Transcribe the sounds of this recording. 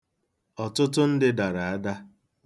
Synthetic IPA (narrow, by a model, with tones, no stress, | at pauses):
ɔ˨tʊ˦tʊ˦n̩˦dɪ˦da˨ɾa˨a˦da˦